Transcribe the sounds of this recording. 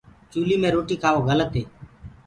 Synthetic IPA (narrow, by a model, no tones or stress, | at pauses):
t͡ʃuːliːmẽːɾoːʈiːkʰaːʋoːɣələt̪ɦeː